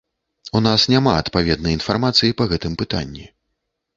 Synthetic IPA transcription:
unasnʲamaɐt̪pavʲɛd̪nɐjin̪farmat̪sɨjipɐɣɛt̪ɨmpɨt̪a̰nʲːi

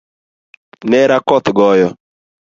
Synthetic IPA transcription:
neɾakɔt̪ɪɡɔjɔ

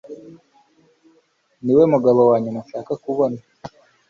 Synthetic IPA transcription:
niwe̞muɡaβowaːɲumuʃaːkakuβona

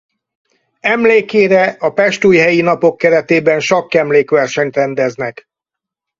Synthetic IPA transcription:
ɛmleːkeːɾɛɒpɛʃt̪uːjɦɛjinɒpo̞kːɛɾɛt̪eːbɛnʃɒkːɛmleːkʋɛrʃɛɲt̪rɛnd̪ɛznɛk

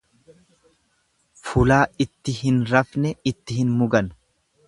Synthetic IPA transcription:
fʊlaːɪt̪ːɪhɪnɾɐfnɛɪt̪ːɪhɪnmʊɡɐn

